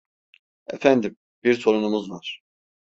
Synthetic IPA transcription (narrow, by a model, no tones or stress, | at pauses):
ḛfænd̪im | biɾsoɾunumuzvaɾ̥